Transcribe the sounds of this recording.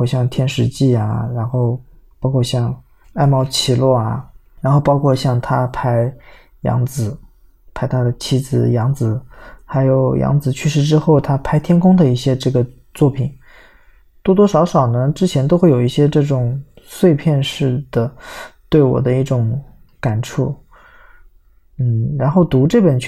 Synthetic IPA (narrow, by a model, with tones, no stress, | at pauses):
ɕjɑ˥˧ŋt̪ʰjɛ˥nʂɻ̩˧˥t͡ɕi˥˩ɐ˩ɻa˧˥nxo˥˩ʊ | pɑ˥ʊkʰwɔ˥˧ɕjɑ˥˧ŋ | a˥˧˩ɪmɑ˥˩ʊt͡ɕʰi˨˩lwɔ˥˩ɐ˩ | ɻa˧˥nxo˥˧ʊpɑ˥ʊkʰwɔ˥˧ɕjɑ˥˩ŋt̪ʰa˥pʰa˥ɪ | jɑ̰˧˥ŋd͡zɹ̩˨˩˦ | pʰa˥ɪt̪ʰa˥d̪ə˨t͡ɕʰi˥d͡zɹ̩˧˩jɑ˧˥ŋd͡zɹ̩˧˩˦xa˧˥ɪjo˨˩ʊjɑ̰˧˥ŋd͡zɹ̩˨˩t͡ɕʰy˥˧ʂɻ̩˥˩ʈ͡ʂɻ̩˥xo˥˩ʊt̪ʰa˥pʰa˥ɪt̪ʰjɛ˥nkʰʊ˥ŋd̪ə˨i˥˩ɕjɛ˥ʈ͡ʂɤ˥˩ɡə˩ | t͡swɔ˥˩pʰi˨˩˦n | t̪wɔ˥t̪̬wɔ˥ʂɑ˧˥ʊʂɑ˨˩ʊnə˦ʈ͡ʂɻ̩˥t͡ɕʰjɛ˧˥nt̪o˥ʊxe˥˩jo˨˩ʊi˥˩ɕjɛ˥ʈ͡ʂɤ˥˩ʈ͡ʂʊ˨˩ŋ | swe˥˧ɪpʰjɛ˥˧nʂɻ̩˥˩d̪ə˩t̪we˥˩ɪwɔ̰˨˩d̪ə˦i˥˩ʈ͡ʂʊ˧˥ŋ | ka˨˩nʈ͡ʂʰṵ˥˩ | n̩˥˩ɻa˧˥nxo˥˩ʊt̪u˧˥ʈ͡ʂɤ˥˩pə˨˩nt͡ɕʰ